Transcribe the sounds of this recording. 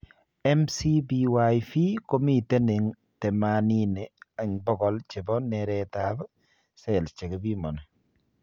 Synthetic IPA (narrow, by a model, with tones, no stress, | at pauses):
ɛmsibiwajfi˦ko˦mi˦˨te˦ne˨ŋ | tɛ˨manine˨a˨ŋbɔ˦ɡɔ˨lt͡ʃe˨bɔ˦nɛɾɛtab | sɛ˨lst͡ʃe˨ke˨bi˦mɔ˨nɔ